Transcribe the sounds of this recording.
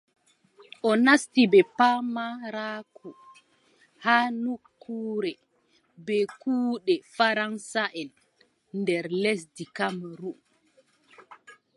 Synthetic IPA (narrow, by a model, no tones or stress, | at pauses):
ʔɔnastibɛpamaɾaːkʰu | haːnukʰːuːɾɛ | bɛkuːɗɛfaɾansaʔɛn | ndɛɾles̬dikamɾum